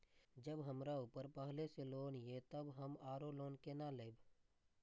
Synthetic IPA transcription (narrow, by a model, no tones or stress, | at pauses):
d͡ʒəbɦəmɾaupəɾpəɦleseloːnjet̪əbɦəmaːɾoloːnkenaleːb